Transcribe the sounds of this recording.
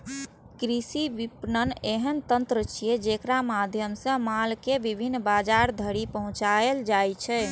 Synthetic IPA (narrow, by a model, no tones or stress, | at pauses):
kɾisiʋipnəneɦənt̪ənt̪ɾət͡ʃʰijed͡ʒekɾamad̪ʱjəmsə̃malkebibʱinːbad͡ʒaɾd̪ʱəɾipəɦũt͡ʃaeld͡ʒajt͡ʃʰɛ